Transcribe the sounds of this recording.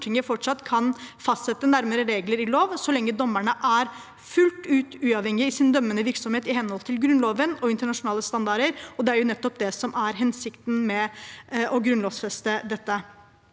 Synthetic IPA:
ʈʰɪŋːəfɔʈʂɑt̪ːkʰɑnfɑst̪sɛt̪ːənæɾməɾəɾeːɡləɾɪloːʋsɔlɛŋːəd̪ɔmːæɳəʔæɾ | fʉlt̪ʉːt̪ʉːɑʋhɛŋɪəɪsɪnd̪œmːənəʋɪɾksɔmheːt̪ɪhɛnhɔlt̪ʰɪlɡɾʉnloːʋənɔɪnt̪əɳɑʂʊnɑːləst̪ɑnd̪ɑɾəɾɔd̪ɛæɾjʊnɛt̪ːɔpd̪ɛsɔmæɾɦɛnsɪkt̪nmɛʔɔɡɾʉnloːʋsfɛst̪əd̪ɛt̪ːə

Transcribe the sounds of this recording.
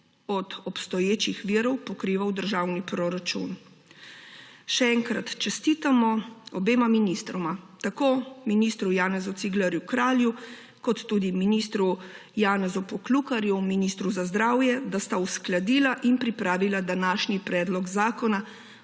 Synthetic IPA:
ɔd̪ɔpst̪ɔjeːt͡ʃixʋiːɾɔwpɔkɾiːʋawd̪əɾʒaːwnipɾɔɾat͡ʃṵn | ʃɛɛŋkɾat̪t͡ʃɛst̪iːt̪amɔɔbeːmaminist̪ɾɔmat̪akoːminist̪ɾujaːnɛzut̪siɡləɾjukɾaːlju | kɔt̪ːuːd̪iminist̪ɾu | jaːnɛzupɔklukaɾjuminist̪ɾuzazd̪ɾaːwjɛd̪ast̪ausklad̪iːlaʔinpɾipɾaːʋilad̪anaːʃnipɾɛːd̪lɔɡzaːkɔna

